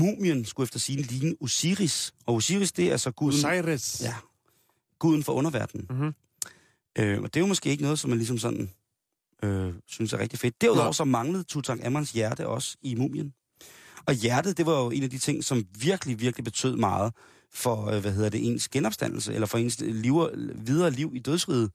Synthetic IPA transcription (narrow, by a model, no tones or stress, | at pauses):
mṵːmənsɡ̥uefd̥ɐsiːn̩liːnəʔusiʁisɒ̽usiʁisd̥e̝æɐsɒ̽ɡ̥uð̩ˠʁsjæ | ɡ̥uð̞̰ˠn̩fɒʔɔ̽nɐʋæɐd̥n̩ | øɒd̥e̝jo̝mɔ̽sɡ̥e̝̰ːeɡənɔ̽ːð̩ˠsɒ̽mænlis̬ɒ̽msɒ̽n̰n̩ | øsynəsæɐʁɛɡ̥̚d̥ife̝d̥̚d̥æɐuðˠɒ̰ʊɐsɒ̽mɑ̈ŋləð̞̩ˠt͡sʰut͡sʰɑ̈ɡ̥æmænsjæɐd̥əʔɒ̽simṵːmjən | ɒ̽jæɐd̥ð̩ˠd̥e̝ʋɑ̈jo̝e̝næd̥it͡sʰe̝ŋ̰sɒ̽mʋiɐɡ̥əliʋiɐɡ̥lib̥e̝t͡sʰø̰ð̞̰ˠmɑ̈ːð̞̩ˠ | fɒ̽ʋæɦe̝ð̞̰ˠɐdeʔe̝̰ːnsɡ̥enɒ̽b̥sd̥æn̰l̩səelɐfɒ̽e̝̰nsliʊɐʋið̞ˠɐːliʊ̰id̥øð̞ˠsʁiːð̞̩ˠ